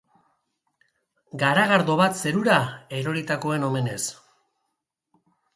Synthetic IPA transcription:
ɡaɾaɣaɾðo̞βat̪se̞ɾuɾaeɾo̞ɾit̪ako̞e̞no̞me̞ne̞s

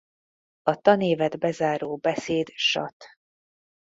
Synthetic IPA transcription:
ɒt̪ɒneːvɛd̪bɛzaːɾoːbɛseːd̪ʃɒ̰t̪

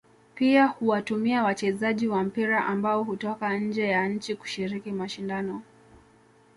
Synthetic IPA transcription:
piahuwatumiawat͡ʃɛzaʄiwam̩piɾaʔambaɔhutɔkaɲ̩d͡ʒɛjaɲ̩t͡ʃiku̥ʃiɾikimaʃindanɔ

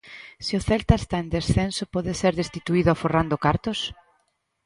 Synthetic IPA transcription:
sɪʊθɛlt̪aest̪aend̪esθensʊpɔðeseɾðest̪it̪uiðʊaforand̪ʊkaɾt̪ʊs

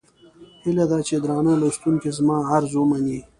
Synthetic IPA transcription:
hilad̪at͡ʃed̪ɾɑːnalast̪unkezmɑːaɾzomani

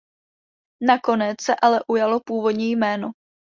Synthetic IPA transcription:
nako̞nɛt͡ssɛʔalɛʔujalo̞puːvo̞dɲiːjmɛːno

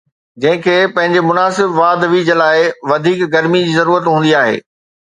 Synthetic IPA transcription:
d͡ʑɐ̃ɦɪ̃kʰeːpɐ̃ɦɪ̃ɲd͡ʑemʊnaːsɪbʋaːd̪ʋiːd͡ʑəlaːɪʋɐd̪ʱiːkɡɐɾmid͡ʑiːzɐɾuːɾət̪ɦũːnd̪iaːɦḛː

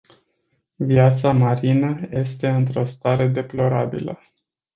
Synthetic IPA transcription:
viat̪samaɾinəje̞st̪e̞ɨnt̪ɾo̞st̪aɾe̞d̪e̞plo̞ɾabḭlə̰

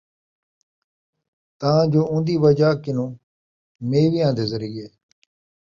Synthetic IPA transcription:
t̪əãːd͡ʒoːʊ̃ːnd̪iːʋəd͡ʒaːkɪnõː | meːʋiːãːnd̪eːzəɾiːeː

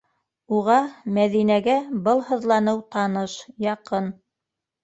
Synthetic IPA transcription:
uʁɑmæðinæɡæbɤlˠhɤ̆ðlˠɑnɤwt̪ɑnɤʃjɑqɤn

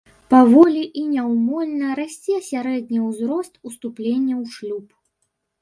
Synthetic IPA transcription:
pavɔlʲiʔinʲɛwmɔlʲnɐɾasʲt͡sʲiɐsʲaɾɛd̪̚ʲnʲiwzɾɔst̪ust̪uplʲenʲːɐwʂlʲup

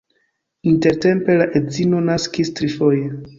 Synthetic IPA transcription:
inte̞ɾte̞mpe̞laʔedzino̞naskistɾifo̞je

